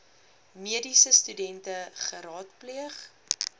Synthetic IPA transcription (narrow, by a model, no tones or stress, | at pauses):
miədisəstydɛntəχəɾɑːtpliəχ